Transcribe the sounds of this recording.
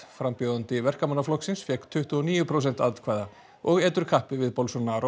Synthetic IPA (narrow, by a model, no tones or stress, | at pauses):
fɾampjowðant̪ɪvɛr̥kamanːaflɔksɪnsfjɛhkt̪ʰʏht̪ʏɔniːjʏpʰɾows̬ɛnt̪at̪kʰvaːjða | ɔɣɛːt̪ʏɾ̥kʰahpɪvɪðpɔlsɔnːaɾo